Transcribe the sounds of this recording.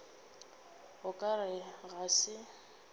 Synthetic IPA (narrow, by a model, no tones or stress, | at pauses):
hʊkʼarɪɣasɪ